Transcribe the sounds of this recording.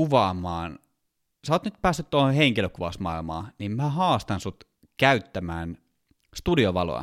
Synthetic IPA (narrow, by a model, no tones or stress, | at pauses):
uʋɑːmˑɑːn | sɑoːt̪nyt̪̚pæːsːyt̪t̪ːohoheŋkiløkuʋɑsmɑilmɑ̰ːnimmæhɑːst̪ɑnsut̪ | kæyt̪ːæmæːn | st̪udioʋɑlo̰jɑ̰